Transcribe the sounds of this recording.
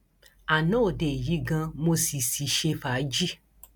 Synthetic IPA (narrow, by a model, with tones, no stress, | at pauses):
a˨nõ˨˦o˦˨de˨ji˨˦ɡã˧mo˧si˨si˨ʃe˧fa˨˦d͡ʒi˦